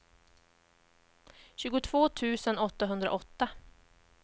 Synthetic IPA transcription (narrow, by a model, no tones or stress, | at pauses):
ɕʉːɡʊt̪ʰv̥oːt̪ʰʉ̟ːsənɔt̪ːaɦɵnd̪ɾa̰ʔɔt̪ːa